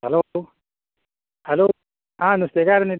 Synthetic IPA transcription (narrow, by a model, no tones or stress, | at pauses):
hɐloo | hɐloː | ãːnust̪eɡaːɾni